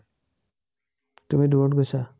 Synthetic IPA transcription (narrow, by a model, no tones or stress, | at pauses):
tumiduɔʈɡojsa